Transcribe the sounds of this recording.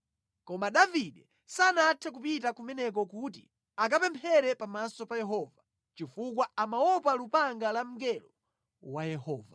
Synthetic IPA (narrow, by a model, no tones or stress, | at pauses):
kɔmaɗaviɗɛ | sanaːtʰɛk̬upitakumɛnɛk̬ɔkuti | ak̬apɛmpʰɛɾɛpamasɔpajɛɦɔva | t͡ʃifukwaamaɔpalupaŋɡalam̩ɡɛlɔ | wajɛhɔːva